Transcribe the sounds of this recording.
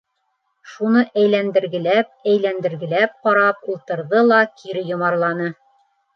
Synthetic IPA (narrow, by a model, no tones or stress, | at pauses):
ʃunɤʔæjlænd̪ɘ̆ɾɡɘ̆læp̚æjlænd̪ɘ̆ɾɡɘ̆læp̚qɒɾɑpulˠt̪ɤ̆ɾðɤlˠɑkʰiɾɘjŏmɑɾlˠɑnɤ